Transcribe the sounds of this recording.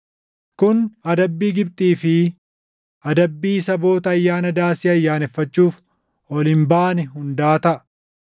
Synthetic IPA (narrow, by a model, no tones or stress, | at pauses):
kʊnɐd̪ɐbːiːɡɪbt̪ʼiːfɪ | ɐd̪ɐbːiːsɐbo̞ːt̪ɐːjːaːnɐd̪aːsɪɐjːaːnɛfːɐt͡ʃːuːf | ɔlɪmbaːnɪɦʊnd̪aːt̪ɐʔ